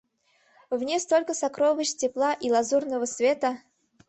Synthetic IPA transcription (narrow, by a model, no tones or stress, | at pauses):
vnʲest̪olʲkəsɐkɾovəɕʲtʲɪplˠaʔilˠɐzurnəvəsvʲet̪ə